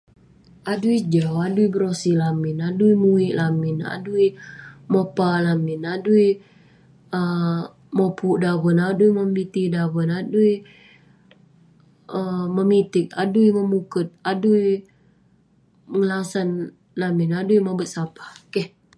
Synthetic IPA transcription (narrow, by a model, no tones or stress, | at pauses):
aduid͡ʒawaduibəɾosilamɪnaduimuiʔlamɪna̰duimopalamɪnadui | ə | mopuʔdawənaduiməmit̪idawənadui | əməmit̪ɪk̚a̰duiməmukət̪̚adui | məŋəlasan | lamɪnaduimabət̪̚sapḁkɛh